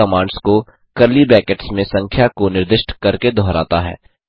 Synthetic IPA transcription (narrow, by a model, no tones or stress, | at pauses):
ɐmãːɳɖsko | kɐɾlibɛːkeʈsmẽsɐ̃ŋkʰjakonɪɾd̪ɪʃʈkɐɾked̪ʱɔːɾa̰ːt̪aɦɛ̰ː